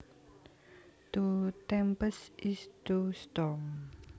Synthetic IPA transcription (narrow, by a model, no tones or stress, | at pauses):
t̪ut̪ɛmpəsʔist̪ust̪ɔŋ